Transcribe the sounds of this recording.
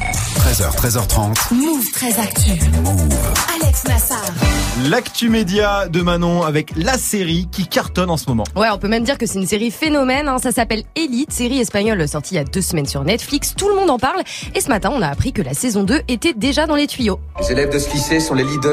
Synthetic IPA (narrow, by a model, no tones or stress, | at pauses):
t̪χɛzœ̰ʁt̪χɛzœʁt̪χɑ̃t̪muvt̪χɛzakt̪y | alɛksnasaːʁlakt̪ymed̪jad̪əmanɔ̃avɛklaseʁikʲikaʁt̪ɔnɑ̃səmɔmɑ̰̃wɛɔ̃pømɛmd̪iʁkəsɛt̪ynseʁifenɔmɛnɛ̃sasapɛlelit̪seʁiɛspaɲɔlsɔʁt̪ʰiad̪øsəmɛnsyʁnɛt̪flikst̪uləmɔ̃d̪ɑ̃paʁlesəmat̪ɛ̃ɔ̃naːpχikəlasɛzɔ̃d̪øʔet̪ɛd̪eʒad̪ɑ̃let̪ɥijo | lezelɛvd̪əsfisesɔ̃lelid̪ə